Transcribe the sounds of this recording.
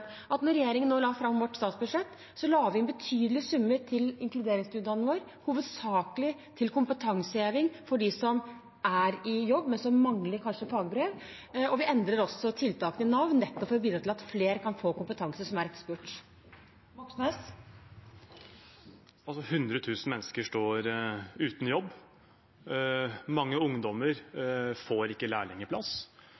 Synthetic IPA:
ʔɑt̪nɔɾːɛjeːɾɪŋənːoːlɑːfɾɑmʋɔʈːst̪ɑːt̪sbʉd̪ʂɛt̪ː | sɔlɑːɡəʋɪɛnbət̪ʰyːd̪əlɪsʉmːəɾt̪ʰɪlɪŋklʉd̪eːɾɪŋst̪ʉːd̪ɑnəʋoːɾ | huːʋəd̪sɑːkəlɪt̪ʰɪlkʊmpət̪ʰɑŋsəeːʋɪŋfɔɖisɔm | æɾɪjɔbːmɛnsɔmːɑŋləɾkʰɑnʂəpʰɑːɡəbɾeːʋ | ɔʋɪɛnd̪ɾəɾɔsːɔt̪ʰɪlt̪ʰɑːkənənɑʋnnɛt̪ːɔpfɔɾʋiːd̪ɾɑt̪ɪlɑt̪fleːɾəkʰɑnfoːkʊmpət̪ʰɑŋsəsɔmæɾɛkspʉʈ | ʋɔksneːs | ɑlsɔhʉnd̪ɾət̪ʰʉːsn̩mɛnːskəʂʈoːɾʉːt̪n̩jɔbː | mɑŋːəʊŋd̪ɔməɾfoːɾɪkːəlæ̰ːɭɛŋːəɾpʰlɑ̰s

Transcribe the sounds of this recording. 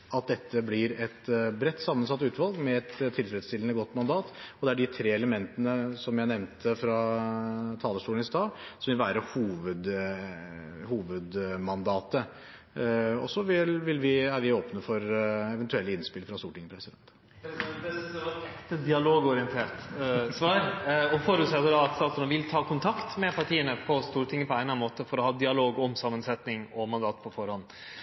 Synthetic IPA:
ɑt̪̚d̪ɛt̪ʰːəblɪɾɛt̪bɾɛt̪ːsɑmːənsɑt̪ːʉːt̪ʋɑlɡmɛɛt̪t̪ʰːɪlfɾɛd̪st̪ɪlənəɡɔt̪ːmɑnd̪ɑːt̪ɔd̪ɛæɖɪt̪ʰɾeːɛləmɛnt̪ənəsɔmjæɪnɛʋnt̪ʰəfɾɑ | t̪ʰɑːləʂʈuːlnɪst̪ɑːsɔmʋɪlʋæːɾəhuːʋəd̪ | huːʋəd̪mɑnd̪ɑːt̪ə | ɔ̰sɔʋɪlʋɪlʋɪæɾʋɪoːpnəfɔɾɛʋɛnt̪ʉɛlːəɪnspɪlfɾɑst̪uːɾʈɪŋːəpʰɾɛsɪd̪ɛnt̪ | ɛɑɾɛkt̪əd̪ɪɑloːɡɔɾɪənt̪ʰeːʈsʋɑːɾɔfɔɾʉːt̪sɛt̪ːəd̪ɑɑt̪st̪ɑːsɔnʋɪlt̪ʰɑːkʰʊnt̪ʰɑkt̪mɛpʰɑʈʰiːənəpʰɔst̪uːɾʈʰɪŋːəpʰɔæɪnɑnmoːt̪əfɔɾɔhɑːd̪ɪɑloːɡɔmsɑmːənsɛt̪nɪŋɔmɑnd̪ɑːt̪pʰɔfɔɾhɔnː

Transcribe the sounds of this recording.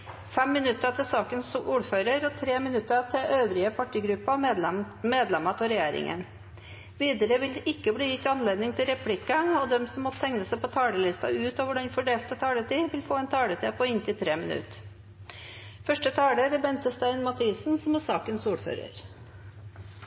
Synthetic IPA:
fɛmːɪnʉt̪ːət̪ʰɪlsɑːkənsuːɾføːɾəɾɔt̪ʰɾeːmɪnʉt̪ːət̪ʰɪʔøːʋɾɪəpʰɑʈiːɡɾʉpːɑ | meːd̪lɛmɑt̪ʰɔɾɛjeːɾɪ̰ŋʔə̰n | ʋiːd̪əɾəʋɪld̪ʔɪkːəbliːjɪt̪ːɑnleːd̪nɪŋt̪ʰɪlɾɛpʰlɪkːɑɔd̪ɛmsɔmːɔt̪ːt̪ʰɛŋnəsæɪpɔt̪ʰɑːɭəlɪst̪ɑ̰ʉːt̪ɑʋʊɖɑnfɔɖeːlt̪ət̪ʰɑːɽət̪ʰiːʋɪlfoːɛnt̪ʰɑːɽət̪ʰiːpʰɔɪnt̪ɪlt̪ʰɾeːmɪnʉ̰t̪ | fœʂʈət̪ʰɑːɽəɾɛbɛnt̪əst̪æɪnmɑt̪ʰiːsnsɔmæsɑːkənsuːɾfø̰ːɾə̰ɾ

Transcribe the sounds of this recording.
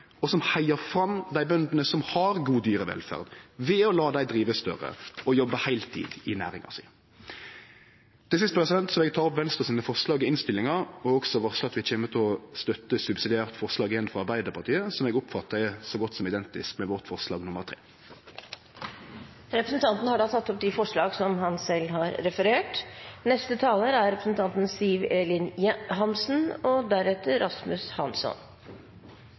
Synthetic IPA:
ɔsɔmhæɪəfɾɑmd̪æɪbœnd̪nəsɔmhɑʁɡuːd̪yːɾəʋɛ̰lfæ̰ːʁd̪ʋɛɔlɑːd̪æɪd̪ʁiːʋəst̪œ̰ʁə̰ɔjɔbːəhæɪlt̪ʰḭːd̪ɪnæ̰ːɾɪ̰ŋɑ̰sɪ | t̪ʰɪlsɪst̪əpʁɛsɪd̪ɛnt̪sɔmɛɡt̪ʰɑːʁɔpʋɛnst̪ʁəsiːnəfɔʁslɑːɡɪɪnst̪ɪlːɪŋɑɾɔɔksɔʋɑʁsɑt̪ʋɪçeːmət̪ʰɪɔst̪œt̪ːəsʉbsɪd̪ɪæːʁt̪fɔʁslɑːɡɪjɛnfʁɔɑʁbæɪd̪əpʰɑʁt̪ʰiːəsɔmɛːɡɔpfɑt̪ːəʁɛsɔɡɔt̪ːsɔmɪd̪ɛnt̪ɪskmɛʋɔʁt̪fɔʁslɑːɡnʊməʁt̪ʰʁḛː | ɾɛpɾəsn̩t̪ʰɑnt̪nhɑɖɑːt̪ʰɑt̪ːɔp̚d̪ɪfɔʂɭɑːɡsɔmhɑnsɛlːɦɑːɾːɛfəɾeːʈnɛst̪ət̪ʰɑːləɾæɾɾɛpɾəsn̩t̪ʰɑnt̪n̩siːʋeːlɪnɦɑnsn̩ɔd̪æɾɛt̪ːəɾɑsmʉshɑ̰nsɔ̰n

